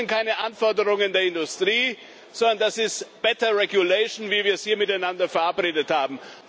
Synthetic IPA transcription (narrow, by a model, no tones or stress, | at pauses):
ntkʰaɪnəʔanfɔɐdəʁ̞ʊŋəndeːɐɪndʊstʁ̥iː | z̥ɔndɐndasɪstb̥ɛtɐʁɛɡʊleɪʃn̩viːviːɐshiːɐmɪtaɪnandɐfɛɐʔapʁeːdəthaːbm̩